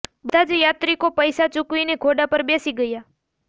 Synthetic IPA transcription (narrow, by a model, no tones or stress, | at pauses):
bəd̪ʱad͡ʒjat̪ɾikopəjsat͡ʃʊkʋineɡʰʱoɖapəɾbesiɡəja